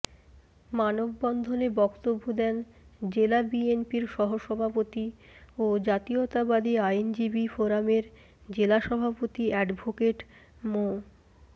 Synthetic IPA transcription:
manobːɔnd̪ʱonebɔkt̪obːod̪ɛn | d͡ʑelabienpiɾʃɔɦoʃɔbʱapot̪iod͡ʑat̪iot̪abad̪iajnd͡ʑibifoɾameɾ | d͡ʑelaʃɔbʱapot̪iɛɖbʱokeʈmo

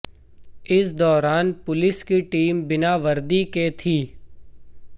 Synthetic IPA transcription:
ɪsd̪ɔːɾaːnpʊlɪskiʈiːmbɪnaʋɐɾd̪iket̪ʰiː

